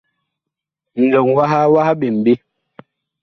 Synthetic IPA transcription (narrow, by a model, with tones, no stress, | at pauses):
n̩˨dɔ˨ŋwa˦ɦa˦wa˦ha˦bi˨m̩˨bi˦